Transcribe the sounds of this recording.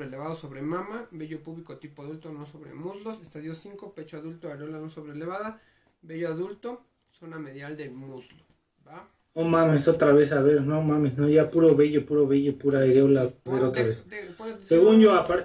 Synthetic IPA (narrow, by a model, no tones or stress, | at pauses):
ɾeleβaðosoβɾemãmabeʝopuβlikot̪ipoaðult̪onosoβɾḛmuzlosest̪aðjosiŋkopet͡ʃoaðult̪oaɾolanosoβɾeleβaða | beʝoaðult̪o | sonameðjald̪emuzlo | ba | omãmesot̪ɾaβesaβeɾnomãmesnoʝapuɾoβeʝopuɾoβeʝopuɾaeɾolaβeɾot̪ɾaβesseɣunʝoapaɾ